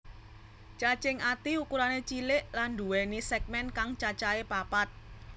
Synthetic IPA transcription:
t͡ʃat͡ʃɪŋat̪iukuɾanet͡ʃilɪʔland̪uwɛnisɛɡ̚mɛnkaŋt͡ʃat͡ʃaepapat̪̚

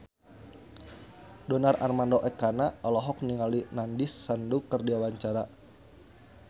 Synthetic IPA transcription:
dɔnara̰rmandɔʔɛkanaɔlɔɦɔk̚niŋalinandisːandukərdiawaɲt͡ʃaɾa

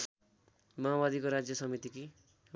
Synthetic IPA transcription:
mabad̪ikoɾad͡zjʌsʌmit̪iki

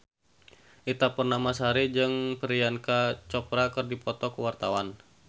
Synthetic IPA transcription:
ʔit̪apərnamasaɾid͡ʒɨŋpəɾijankat͡ʃɔpɾakɨrdipɔt̪ɔkuwart̪awan

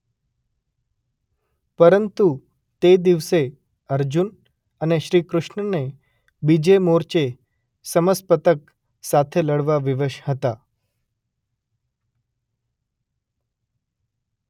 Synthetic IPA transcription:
pəɾənt̪u | t̪ed̪iʋse | əɾd͡ʒun | əneʃɾikɾʊʃɳəne | bid͡ʒemoɾt͡ʃe | səməspət̪ək | sat̪ʰeləɽʋaʋiʋəʃhət̪a

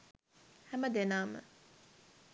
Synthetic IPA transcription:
hæməd̪enaːmə̰

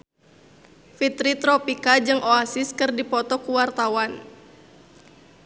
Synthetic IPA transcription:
fit̪ɾit̪ɾɔpikad͡ʒɨŋʔoasɪskɨrdipɔt̪ɔkuwart̪awan

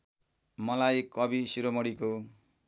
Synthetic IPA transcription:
mʌlajkʌbisiɾomʌɽiko

